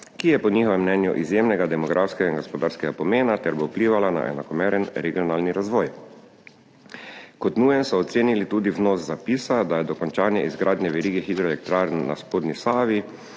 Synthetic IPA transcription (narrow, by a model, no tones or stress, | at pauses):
kijɛpɔnixɔʋɛmːnɛːnjṵʔizjeːmnɛɡad̪ɛmɔɡɾʔafskɛɡainɡɔspɔd̪aːɾskɛɡapɔmeːnat̪ɛɾbowpliːʋalana̰ʔɛ̰nakɔmɛːɾɛnɾɛɡiɔnaːlniɾazʋɔːj | kɔt̪nuːjɛnsɔːt̪seːnilit̪uːd̪iwnoːszapiːsad̪ajɛd̪ɔkɔnt͡ʃaːnjɛizɡɾʔaːd̪nʲjɛʋɛɾiːɡɛxid̪ɾɔelɛk̚t̪ɾaːɾnːa̰spoːd̪nisaːʋi